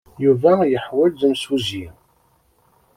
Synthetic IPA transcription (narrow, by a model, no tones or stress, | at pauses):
juvæjəħwælðəmsuzi